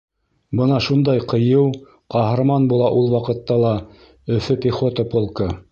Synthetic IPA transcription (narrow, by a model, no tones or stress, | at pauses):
bɤnɑʃund̪ɑjqɤ̆jɤw | qɑɦɤ̆ɾmɑnbulˠɑʔulˠwɑqɤ̆t̪ːɑlˠɑ | ɵ̆fɵpʲiχot̪ɐpolˠkə